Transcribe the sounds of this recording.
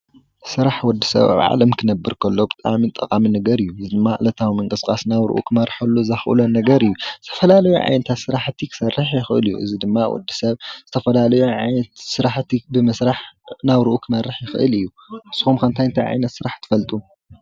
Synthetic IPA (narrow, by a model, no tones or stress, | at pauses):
sɨɾaħwɔd̪ːisɐ̰βa̰βʕa̰lɐmkʰɨnɐbːɨɾkʰɐlːo̞bɨt̪ʼa̰mit̪ʼɐkʼaminɐɡɐɾɨjːuɨzid̪ɨmːaʔlɐt̪ʰawimɐŋkʼɨskʼasnaβɾɨ̰ʔṵkʰɨmɐrħɐlːuzɐxʔɨ̰lonɐɡɐɾɨjːuzɨt̪ʰɐ̥fɐlalɐjo̰ʕa̰jnɐt̪ʰat̪sɨɾaħt̪ʰikʰɨ̥sɐrːɨħjɪxʔɨ̰lɨjːṵʔɨ̰zid̪ɨmːawɔ̰d̪ːisɐβz̥ɨt̪ʰɐfɐlalɐjoʕajnɐt̪sɨɾaħt̪ʰibɨmɨsɾaħnaβɾɨʔukʰɨmɐrːɨħjɪxʔɨ̰lɨjːu | ɨsːuxumkʰɐnt̪ʰajɨnt̪ʰajʕa̰jnɐt̪sɨɾaħt̪ʰɨ̥fɐlt̪ʼum